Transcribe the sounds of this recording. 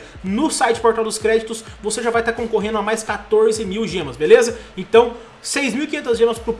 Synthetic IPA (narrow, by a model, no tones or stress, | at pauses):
nʊsajt͡ʃɪ̥poɾt̪awd̪ʊskɾɛd͡ʒit̪ʊsvoseʒavajt̪aɾkõkoɦẽnd̪ʊamajskat̪oɾzɪmiwʒẽmɐsbelezɐẽnt̪ɐ̃w̃ | sejzmiwikĩẽnt̪ɐzʒẽmɐspɾʊp